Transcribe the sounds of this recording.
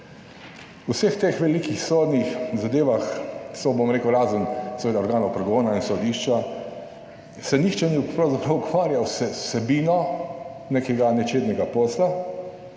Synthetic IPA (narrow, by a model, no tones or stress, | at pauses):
usext̪exʋɛlikixsoːd̪nixzad̪eːʋaxsɔbomɾeːkəʊɾaːzunsɛʋeːd̪aɔɾɡaːnɔwpɾɛɡoːnainsɔd̪iːʃt͡ʃa | sɛnixt͡ʃɛnipɾawzapɾɐwukʋaːɾjawsɛsɛbiːnɔ | nekɛɡanɛt͡ʃeːd̪nʲɛɡapɔːsla